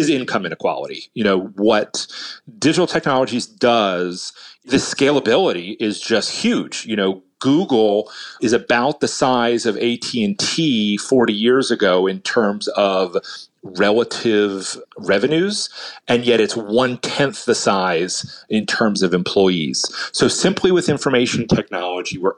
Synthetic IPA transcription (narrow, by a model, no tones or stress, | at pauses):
ɨzɪ̃nkʰʌ̃mɨ̃ñɨkʰw̥ɑ̰lˠə̰ɾḭjɨñoʊwʌtd̥ɪd͡ʒəɾl̩ˠtʰɛk̚nɑlˠəd͡ʒizdʌz̥ðɨskeɪlˠəbɪlˠəɾiʔɪzd͡ʒʌst̚hjʉd̥d͡ʒjɨɾ̃oʊɡ̥uɡl̩ˠɨzɨbaʊt̪̚ðɨsaɪzʌveɪtʰiɨ̃ntʰifɔɹɾijɪɹzɨɡoʊɨ̃ntʰɜ̃˞mzʌv | ɹɛlˠəɾɪvɹɛvɨnʉzɨ̃njɛɾɨtswʌ̃ntʰɛ̃nθðɨsaɪz̥ɨ̃ntʰɜ̃˞mzʌvɨ̃mpʰl̥ɔɪḭz̥soʊsɪ̃mpʰliwɨðɪ̃ɱfə˞meɪʃn̩tʰɛk̚nɑlˠəd͡ʒiwə˞